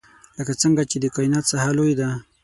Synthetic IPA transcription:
ləkat͡səŋɡat͡ʃed̪əkɑjnat̪sahalojd̪a

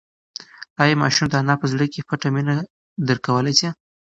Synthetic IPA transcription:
ɑjemɑ̰ʃumd̪əanɑpəzɽəkepaʈamina | d̪əɾkawəlajse

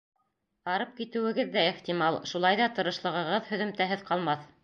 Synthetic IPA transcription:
ɑɾɤp̚kit̪ɘ̆wɘ̆ɡɘðːæiχt̪ʲimɑlˠʃulˠɑjðɑt̪ɤ̆ɾɤ̆ʃlˠɤ̆ʁɤ̆ʁɤðhɵ̆ðɵ̆mt̪æɦɘðqɑlˠmɑθ

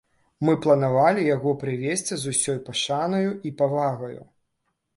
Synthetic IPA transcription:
mɨplˠɐnavalʲijaɣɔpɾɨvʲesʲt͡sʲizusʲɔjpaʂanɐjuipavaɣɐjṵ

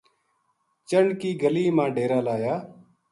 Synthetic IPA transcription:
t͡ʃəɳɖkiːɡəliːmãːɖeːɾaːlaːjaː

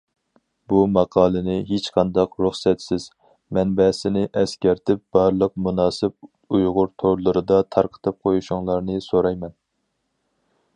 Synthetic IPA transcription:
bumɑqʰɑːlˠɨnɪɦet͡ʃqʰɑnd̪ɑqɾuχsɛt̪sɪz̥ | mɛnbɛsɪnɪʔɛskʲɛɾt̪ʰɪp̚b̥ɑɾlˠəq̚munɑːsɪp | ujʁʊɾt̪ʰoɾlˠɨɾɨd̪ɑt̪ʰɑɾqʰə̥t̪ʰɨp̚qʰojuʃuŋlˠɑɾnɨsoɾɑjmɛn

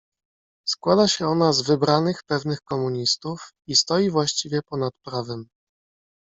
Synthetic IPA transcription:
skwad̪aɕɛɔnazvɘbɾanɘxpɛvnɘxkɔmuɲist̪uf | ist̪ɔjivwaɕt͡ɕivʲjɛpɔnat̪̚pɾavɛm

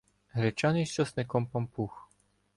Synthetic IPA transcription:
ɦɾɛt͡ʃaniʃt͡ʃɔsnɛkɔmpɔmpux

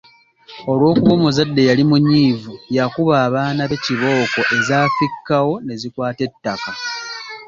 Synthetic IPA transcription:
o̞lwo̞ːkuβo̞ːmuzadːe̞jalimuɲːiːvujakuβaːβaːnaβe̞ciβo̞ːko̞ʔe̞zaːfikːawo̞ne̞zikwaːte̞tːaka

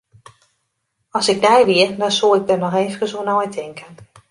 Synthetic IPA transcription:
ɔsɪɡ̚dɛjʋiərdɔnsolˠɪɡ̚dərnɔxeːvəkəsuənɔjtʰɪŋkʰən

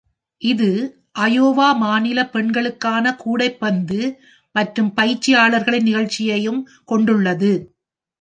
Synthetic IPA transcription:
ʔɪðɯ | ʔɐjoːʋaːmaːnɪlɐpɛɳɡɐɭɯkːaːnɐkuːɽɐɪpːɐnd̪ɯ | mɐʈrɯmpɐjt͡ʃːɪjaːɭɐɾɣɐɭɪnːɪɣɐɭt͡ʃːɪjɐjɯm | kɔɳɖɯɭːɐðɯ

